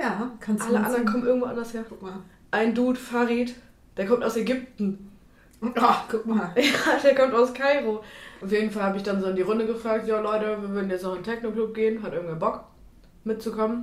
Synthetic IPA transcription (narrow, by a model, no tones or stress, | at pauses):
jaːkʰanʔaləʔa̰ndɐʁənkʰɔmənɪɐɡŋ̩tvoːʔandɐsheːɐʊka | ʔaɪnduːtfaʁiːt | d̥eːɐkʰɔmtaʊsɛɡʏp̚tn̩ | kʰʊk̚majaːd̥eːɐkʰɔmtaʊskʰaɪʁoaʊfjeːdn̩falhabəɪçd̥anzoːɪndiːʁʊndəɡəfʁ̥aːk̚tjaːlɔʏtəviːɐvʏːɐdn̩jɛt͡snɔχɪntʰɛçnokl̥ʊp̚ɡ̥eːənɦatʔɪɐɡŋ̩v̥ɛːɐbɔk | mɪt̚t͡sukʰɔmən